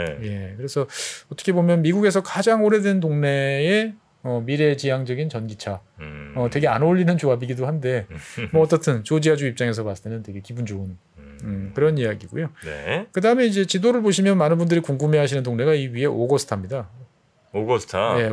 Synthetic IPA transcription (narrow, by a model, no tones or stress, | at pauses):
je̞kɯɾe̞sʰʌʌt͈ʌkʰe̞bomjʌnmiɡuɡe̞sʰʌkad͡ʑaŋoɾe̞dentoŋne̞e | ʌmiɾe̞t͡ɕijaŋd͡ʑʌɡint͡ɕʌnɡit͡ɕʰaʌtwe̞ɡe̞anoʎːinɯnt͡ɕoɦabiɡidoɦande̞mʌʌt͈ʌtʰɯnt͡ɕod͡ʑiɦad͡ʑuip̚t͡ɕ͈aŋe̞s̬ʰʌmasʰɯ̥tʰenɯntwe̞ɡe̞kibund͡ʑoɯn | ɯkɯɾʌnijaɡiɡo̰jonekɯdaɦɯmeid͡ʑe̞t͡ɕidoɾɯɭboɕ̬ʰimjʌnmanɯnbundɯɾikuŋɡumeɦaɕʰinɯntoŋne̞ɡaiɥiɦe̞ʔoɡʌsʰɯ̥tʰamɲida | oɡʌstʰaje̞